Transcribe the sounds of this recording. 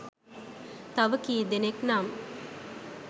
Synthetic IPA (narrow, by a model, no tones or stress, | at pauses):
t̪aʋəkiːd̪eneknam